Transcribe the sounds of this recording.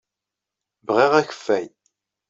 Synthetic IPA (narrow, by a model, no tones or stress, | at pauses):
bʁiʁæçə̥fːæj